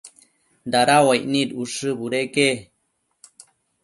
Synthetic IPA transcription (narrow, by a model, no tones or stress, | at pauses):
nd̪aɾawajʔnid̪uʂɨbuɾeke